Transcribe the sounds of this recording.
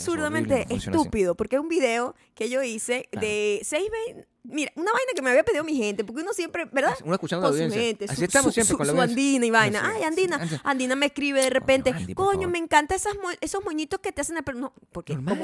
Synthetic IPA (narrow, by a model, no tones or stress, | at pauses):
suɾðamẽnt̪eʔesupiðo̞po̞ɾkeesumbiðe̞o | ke̞ʝo̞ise̞d̪e̞sejzβes | miɾaunaβajnak̬e̞meaβiapeðiðomixe̞nt̪e̞p̬oɾkeunosje̞mpɾe̞beɾðaunoeskut͡ʃandoasðensjent̪essist̪amssjmsuand̪inaiβajnaʔajand̪inaand̪inameskɾiβeðerepe̞nt̪ekoɲo̞me̞ŋkant̪aesasmoe̞so̞hmoɲit̪o̞sket̪ease̞nelpeɾnopoɾke